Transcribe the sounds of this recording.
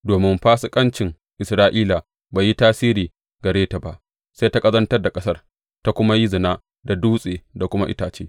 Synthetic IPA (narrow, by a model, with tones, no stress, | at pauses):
doː˨mɪ˦mɸaː˦su˨kʼɐ˦nt͡ʃɪ˨ŋ | ʔɪ˨sɾaː˦ʔiː˦la˨ | baː˨ji˦taː˦siː˦ɾiː˨ | ɡɐ˨ɾeː˦ta˨ba˨ʔ | se˦jta˦kʼɐ˦zɐ˦ntɐ˦rda˨kʼɐ˦sɐ˦r | ta˦kʷʊ˦ma˦ji˦zɪ˨naː˦ | da˨duː˦sʼeː˨da˨kʷʊ˦ma˦ʔɪ̰˦taː˨t͡ʃeː˦